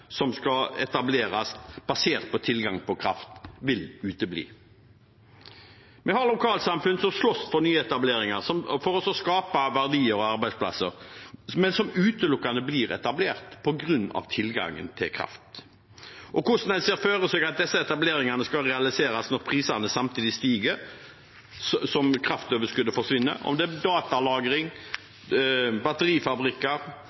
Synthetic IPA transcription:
sɔmskɑɛ̰t̪ɑbleːɾɑsb̥ɑseːʁt̪̚pʰɔt̪ʰɪlɡɑŋpʰɔkʰɾɑft̪ʋɪlʉːt̪əblḭː | mɛhɑʁlʊkʰɑːlt̪sɑmfʉnsɔmslɔsfɔɾnyːəɛt̪ɑbleːɾɪŋɑʁsɔmfɔɾɔsɔskɑːpɑʋæʁd̪iːəɾɔɑɾbæɪspʰlɑ̰sːəɾmɛnsɔmʉːt̪əlʊkːɑnəbliːɾɛ̰t̪ɑbleːʁt̪pʰɔɡɾʉnːɑ̰ʋt̪ʰɪlɡɑ̰ŋːə̰nt̪ʰɪ̰lkʰɾɑ̰ft̪ | ʔɔkʰʊʂnæseːɾføːɾəsøːɡɑt̪̚d̪ɛsːəɛt̪ɑbleːɾɪŋɑnəskɑlɾɛɑlɪseːɾɑsnɔɾpʰʁiːsɑnəsɑmt̪ʰiːd̪ɪst̪iːɡəɾ | ssɔmkʰɾɑft̪øːʋəʂkʉd̪əfɔʁʂʋɪnːə̰ɔ̰md̪ɛæd̪ɑːt̪ɑlɑːɡɾɪŋ | bɑt̪əɾiːfɑbɾɪkːəɾ

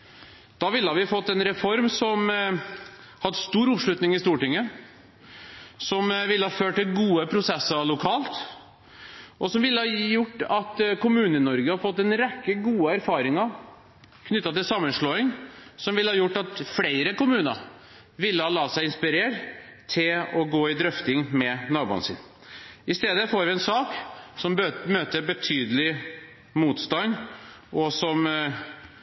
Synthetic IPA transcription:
d̪̥ɑʋɪlːəhɑɾʋɪfɔt̪ːɛnɾɛfɔɾmsɔm | hɑd̪st̪uːɾʊpʂɭʉt̪nɪŋɪst̪uːʈɪŋːə | sɔmʋɪlːəhɑføːʈʈɪlɡuːəpʰɾʊsɛsəɾlʊkʰɑːlt̪ | ʔɔsɔmʋɪlːəhɑjʊʈːɑt̪kʊmʉːnənɔɾɡəhɑɾfɔt̪ːɛnɾɛkːəɡuːəæɾfɑːɾɪŋɑɾ | kʰnʏt̪ːɑt̪ɪlsɑmːənʂɭoːɪŋsɔmʋɪləhɑːjʊʈːɑt̪fleɪɾəkʊmʉːnə̰ɾ | ʋɪlːəhɑːlɑːsæɪɪnspɪɾeːɾt̪ʰɪlɔɡoːɪd̪ɾœft̪ɪŋmɛnɑːbṵːɑ̰nsɪ̰n | ɪst̪eːd̪əfoːɾʋɪɛnsɑːksɔmmøːt̪əɾbət̪ʰyːd̪əlɪ | muːt̪st̪ɑn | ʔɔsɔm

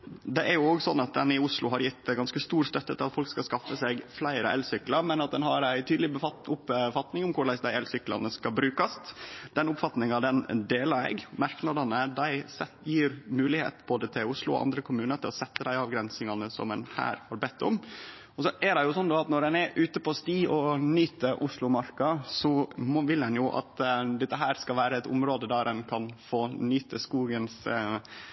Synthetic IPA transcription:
d̪ɛʔæɾjʊoːɡsɔnːɑt̪̚d̪ɛnɪʊslʊɦɑɾjɪt̪ːɡɑnskəst̪uːɾst̪œt̪ːət̪ʰɪlɑt̪fɔlkskɑskɑfːəsɛɡflæɪɾə̰ʔɛ̰lsʏkːləɾmɛnɑt̪̚d̪ɛnɦɑɾæɪt̪ʰyːd̪lɪʊpfɑt̪nɪŋʊmkʰʊɾɭæɪsd̪æɪɛlsʏklɑ̰nəskɑbɾʉːkəst̪d̪̥ɛnʊpfɑt̪nɪŋɑd̪ɛnd̪eːləɾɛ̰ɡmɑɾknɑd̪ɑnəd̪æɪɛ | jiːɾmʉːlɪhḛːt̪boːd̪ət̪ʰɪlʊslʊɔ̰ʔɑ̰nd̪ɾəkʰʊmʉːnət̪ʰɪlɔsɛt̪ːəd̪æɪɑːʋɡɾɛnsɪŋɑnəsɔ̰mɛnhæ̰ːɾhɑɾbɛt̪ːʊ̰m | ɔsɔʔæɖɛjʊsɔnd̪oːɑt̪nɔɾɛnɛɾʔʉːt̪əpɔst̪iːɔnyːt̪əʔʊslʊmɑɾkɑsɔmʋɪlɛnjʊʔɑ̰t̪d̪ɛt̪ːəɦæːɾskɑʋæːɾəɛt̪ʊ̰mɾoːd̪əd̪ɑɾɛnkʰɑnfoːnyːt̪əskuːɡəns

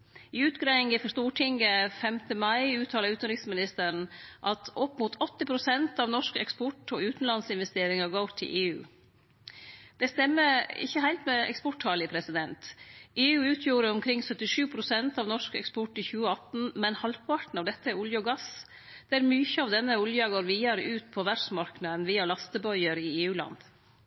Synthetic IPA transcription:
ɪʉːt̪ɡɾæɪɪŋɪfɔʂt̪uːʈʰɪŋɡəfɛmt̪əmɑɪʉːt̪ʰɑːlɑʉːt̪n̩ɾɪksmɪnɪst̪əɳ̩ʔɑt̪ɔpːmuːt̪ʰɔt̪ːɪpʰɾʊsɛnt̪ɑʋnɔʂkɛ̰kspɔʈoːʉːt̪n̩lɑnsɪnʋɛst̪eːɾɪŋɑɡɑːt̪ʰːɪ̰lʔeːʉ̰ː | d̪̥ɛst̪ɛmːəɪ̰çːəhæɪlt̪mɛɛ̰kspɔʈhɑːlɪpʰɾɛsɪd̪ɛnt̪eːʉːʉːt̪ʰjuːɾəɔmkʰɾɪŋsœt̪ːɪʂʉːpʰɾʊsɛnt̪ɑʋnɔʂkɛ̰kspɔʈɪçʉːəɑt̪n̩mɛnhɑlpʰɑʈɳ̩ɑʋd̪ɛt̪ːəʊljəɔɡɑs | d̪̥ɛæɾmyːçəɑʋd̪ɛnːəʊljəɑɡoːɾʋiːɑɾəʔʉːt̪̚pʰɔʋæɖsmɑɾknɑd̪nʋiːɑlɑst̪əbœʏəɾɪeːʉːlɑ̰nd̪

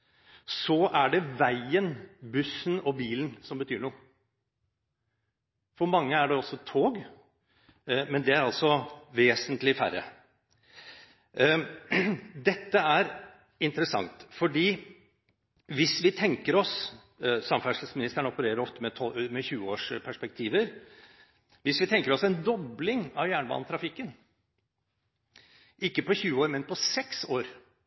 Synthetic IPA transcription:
sɔʔæɖɛʋæɪənbʉsːənɔbiːlənsɔmbət̪ʰyːɳuːə | fɔɾmɑŋːəæɖɛɔsːɔt̪ʰoːɡ | mɛnd̪ɛæɾɑlsɔʋeːsənt̪lɪfæ̰ɾə̰ | d̪ɛt̪ːəæɾ | ɪnt̪əɾəsɑ̰ŋt̪fɔɖiː | ʋɪsʋɪt̪ʰɛŋkəɾɔs | sɑmfæʂlsmɪnɪst̪əɳɔpəɾeːɾəɾɔft̪əmɛt̪ʰɔmɛçʉːəoːʂpʰæʂpɛk̚t̪ʰiːʋəɾ | ʋɪsʋɪt̪ʰɛŋkəɾɔsæɪnd̪ɔblɪŋɑʋjæːɳəbɑ̰n̩t̪ʰɾɑfɪkːən | ʔɪkːəpɔçʉːəoːɾmɛnpʰɔsɛksoːɾ

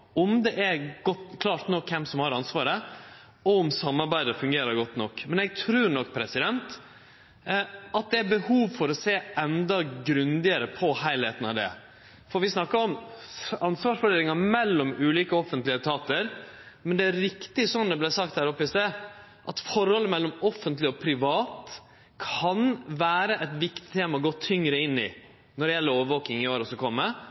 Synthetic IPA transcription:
ɔmd̪ɛʔæɾɡ̥ɔt̪kʰlɑːɾʈ̪nɔkʰːɛmsɔmhɑɾɑnsʋɑːɾə | ɔʊmsɑmːɑɾbæɪd̪əɾfʉŋɡeːɾəɾɡɔt̪ːnɔkːmɛnɛɡ̚t̪ʰɾʉːɾɳɔkːpʰɾɛsɪd̪ɛnt̪ | ɑt̪̚d̪ɛæɾbəhuːʋfɔɾɔseːɛnd̪ɑɡɾʉnd̪ɪəɾəpʰɔhæɪlheːt̪ənɑʋd̪ɛ̰ | fɔɾʋɪsnɑkːɑɾɔm | ɑnsʋɑːʂfɔɖeːlɪŋɑmɛlːɔmʉːliːkəɔfənt̪lɪət̪ʰɑːt̪əɾ | mɛnd̪ɛæɾɪkt̪ɪsɔnd̪ɛblæɪsɑkt̪hæːɾɔpːɪsd̪e | ʔɑt̪fɔɾhɔlːəmɛlːɔmɔfənt̪lɪɔpʰɾɪʋɑːt̪ | kʰɑnʋæːɾəʔɛt̪ʋɪkt̪ɪ̥t̪ʰeːmɑɔɡɔt̪ʰːʏŋɾəɪnːɪ̰ | nɔɾɖɛjɛlːəɾoːʋəʋoːkɪŋɪoːɾɔsɔkʰɔmːə

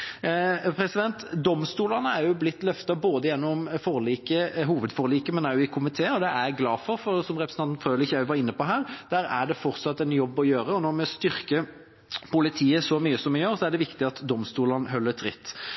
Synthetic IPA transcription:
pʰɾɛsɪd̪ɛnt̪d̪ɔmst̪uːlɑnəæɾjʊblɪt̪ːlœft̪ɑboːd̪əjɛnːɔmfoːʁliːkəɦuːʋəd̪fɔːɾliːkəmɛnɑʊjʊɪkʰʊmɪt̪ʰeːɔd̪ɛʔæɾɡlɑːfɔɾfɔɾsɔmʁɛpɾə̥sʰɑnnfʁøːʋlɪçːəæɪʋɑɾɪnːəpɔɦæːɾd̪̥æːɾæ̰ɖɛfɔɾt̪sɑt̪ːɛnjɔbːɔjøːɾəɔnɔɾmɛst̪ʏɾkə | pʊlɪt̪ʰiːəsɔmyːəsɔmːɛjøːɾsɔæɖɛʋɪkt̪ɪɑt̪d̪ɔmst̪uːlɑnəɦœlːət̪ʰɾɪ̰t̪ː

